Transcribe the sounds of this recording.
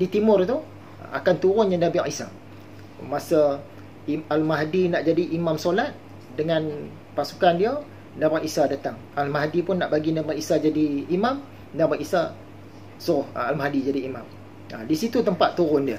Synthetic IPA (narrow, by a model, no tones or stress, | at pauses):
dit̪imʊrt̪u | a̰kant̪uɾʊnjaŋdabia̰ʔisa̰ | masə | ialmaɦdinaʔd͡ʒadiʔimamsolat̪̚ | dəŋan | pasu̥kandia | dabaʔisadat̪aŋ | almaɦdipʊnːaʔbaɡinabaʔisad͡ʒadiːmam | nabaʔisa | suʊhalmahdid͡ʒadiːmãm | ə̰disit̪ut̪əmpat̪ːuɾʊndiə